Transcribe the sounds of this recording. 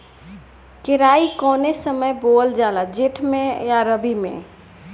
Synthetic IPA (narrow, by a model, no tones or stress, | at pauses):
kɪɾaːikɔːnesəməjboːld͡ʒaːlad͡ʒɪʈʰmẽjaɾəbimḛ̃